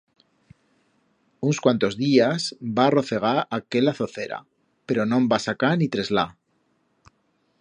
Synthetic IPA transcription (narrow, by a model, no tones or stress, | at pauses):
unskwant̪o̞zðiasbaːro̞θe̞ɣ̞aɾake̞laθo̞θe̞ɾa̰ | pe̞ɾo̞nõ̞mbasakanit̪ɾe̞zla